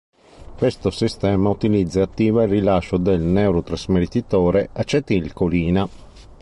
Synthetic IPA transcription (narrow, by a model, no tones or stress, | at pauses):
kwest̪osist̪ɛːmaut̪ilid̪zːaat̪ːiːvailrilaʃːod̪elnɛwɾot̪ɾazmeɾit̪it̪oːɾeat͡ʃːet̪ilkoliːna